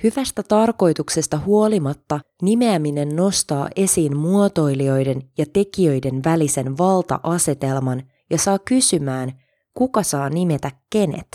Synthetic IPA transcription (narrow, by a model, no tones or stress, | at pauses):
hyʋæst̪æt̪ɑrko̞jt̪ukse̞st̪ɑhuo̞limɑt̪ːɑ | nime̞æmine̞nːo̞st̪ɑ̰ːʔe̞siːnmuot̪o̞jlio̞jde̞njɑt̪e̞kiø̞jde̞nʋælise̞nʋɑlt̪ɑ̰ʔɑse̞t̪e̞lmɑn | jɑsɑːkysymæːn | kukɑsɑːnime̞t̪ækːe̞ne̞̰t̪